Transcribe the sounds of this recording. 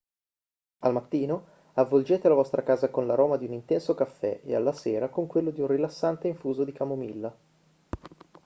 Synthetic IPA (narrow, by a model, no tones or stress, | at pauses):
almat̪ːiːno | avːold͡ʒeːt̪elavɔst̪ɾakaːzakonlaɾoːmad̪iunint̪ɛnsokafːɛ̰ḛa̰lːaseːɾakoŋkwelːod̪iunrilasːant̪eiɱfuːzod̪ikamomilːa